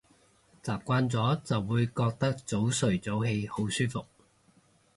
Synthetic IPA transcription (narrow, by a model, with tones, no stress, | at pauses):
t͡saː˨p̚kʷaː˥nt͡sɔː˨˥t͡sɐ˨wːuː˨˧jkɔː˧k̚t̪ɐ˥k̚t͡so˨˥wsɵ˨˩ɥt͡so˨˥whe˧jho˨˥wsyː˥fʊ˨k̚